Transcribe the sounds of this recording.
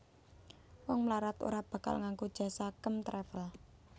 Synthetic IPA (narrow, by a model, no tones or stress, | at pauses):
wɔŋmlaɾat̪o̰ɾab̥ä̤ka̰lŋaŋɡod̥ʒ̥ä̤sakəmt̪ɾɛfəl